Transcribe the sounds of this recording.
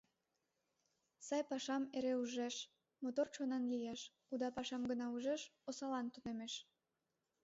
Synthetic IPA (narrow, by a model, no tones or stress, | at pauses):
sɑjpɑʃɑmeɾeuʒeʃ | mot̪ort͡ɕonɑnlijeʃ | ud̪ɑpɑʃɑmɡənɑuʒeʃosɑlɑnt̪unemeʃ